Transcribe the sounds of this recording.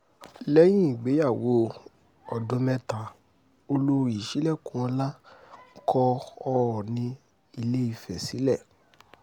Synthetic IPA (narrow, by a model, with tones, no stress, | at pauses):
lɛ˦j̃ĩ˦˨ɡ͡be˨˦ja˦˨wo˨˦ | ɔ˨dõ˨˧˦mɛ̃˦tã˨ | o˧lo˦ɾi˨i˨ʃi˨˦lɛ˦˨kũ˧˦ɔ˧la˦kʰɔ˧ɔ˧ɔ˨nĩ˧ | i˧le˦i˧fɛ˨si˨˦lɛ˦˨